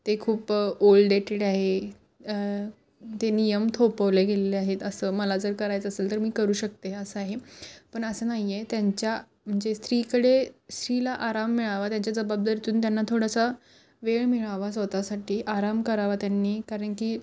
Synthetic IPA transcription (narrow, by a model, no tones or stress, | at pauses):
t̪ekʰuːpolɖɖeʈeɽaɦe | t̪enijəmt̪ʰopəʋleɡeleleaɦet̪əsəːməlad͡zəɾkəɾajt͡səselt̪əɾmiːkəɾuːɕək̚t̪eəsəaɦepəɳəsəːnaɦijet̪jaɲt͡ɕja | m̤əɳd͡zest̪ɾiːkəɽest̪ɾilaʔaɾamːiɭaʋat̪jaɲt͡ɕjad͡zəbab̚d̪əɾit̪uːnt̪janːat̪ʰoɽasa | ʋeɭmiɭaʋas̬ʋət̪asaʈʰiːʔaɾamkəɾaʋat̪janːiːkaɾəɳkiː